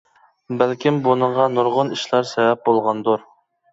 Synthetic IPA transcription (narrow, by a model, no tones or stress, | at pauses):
bælkʲʰimbunɨɴʁɑnuɾʁʊniʃlˠɑɾsɛvɛp̚bolˠʁɑnd̪uɾ